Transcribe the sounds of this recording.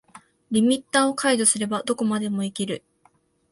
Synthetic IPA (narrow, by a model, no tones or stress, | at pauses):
ɾʲimʲit̪ːaːo̞kʰaid̪o̞sɨɾe̞bad̪o̞ko̞mad̪e̞mo̞ikʲiɾɯ̟